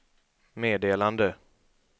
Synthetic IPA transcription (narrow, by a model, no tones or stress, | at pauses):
meːd̪eːland̪ə